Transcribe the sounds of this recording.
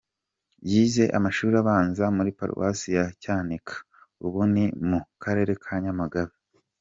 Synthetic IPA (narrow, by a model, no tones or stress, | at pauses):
jiːze̞ʔa̰maʃuːɾiaβaːnzamuɾipa̰ɾṵwa̰sijacaːnikʰḁ | uβunimukʰaɾe̞ɾe̞kʰaɲamaɡaβi